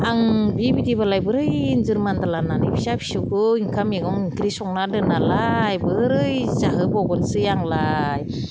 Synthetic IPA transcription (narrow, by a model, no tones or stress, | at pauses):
aŋbibidibalajbɯɾɯjnzɯɾmand̪alananɯjbisabʰi̥suwkɯiŋkʰameɡɔŋiŋkʰɾisɔŋnadɯnalajbɯɾɯjzaɦɯbɔɡɔnsɯjaŋlaj